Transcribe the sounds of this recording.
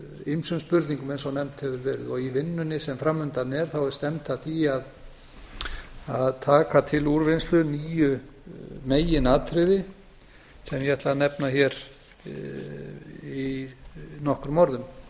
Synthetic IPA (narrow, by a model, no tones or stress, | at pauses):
ejmsʏnspʏɾt̪niŋkʏmejnsɔnɛmt̪hɛvɪɾvɛːɾɪ̰ðɔɣivɪnːʏnːɪsɛmfɾamːʏnt̪anɛɾ̥θawɛɾst̪ɛmt̪aθiað | aðt̪ʰaːkat̪ʰɪluɾvɪnst̪lʏniːjʏ | meːjɪnaːt̪ʰɾɪðɪ | sɛmjɛɛht̪lanɛpnaçɛɾ | i | nɔhkʏɾmɔɾðʏm